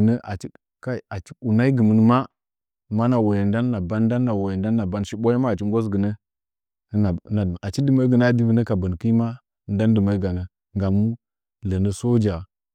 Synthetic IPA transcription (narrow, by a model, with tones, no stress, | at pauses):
nə˦ʔa˨t͡ʃi˦ | ka˦˨a˨t͡ʃi̥˦u˨na˦i˦ɡə˨mə˨n˨ma˦˨ | ma˦na˨wo˨je˨n˦da˦nː˦a˨ba˦n˦da˦nː˦a˨wo˨je˨nda˦nː˦a˨ba˦nʃi˦ɓo˦ja˦ma˦a˨t͡ʃi˦ŋ˦ɡo˦s̬ɡə˨nə˦˨˦ | na˨a˨t͡ʃi˦dɨ˦mə˦ɡə˨na˦di˦və˦nə˦ka˨bə˨n˨ki˦ma˦˨ | n˦da˦n˦dɨ˨ma˨i˦ɡa˨nə˨ | ŋɡa˨mːu˦ | lə˨nə˨so˦d͡ʒa˨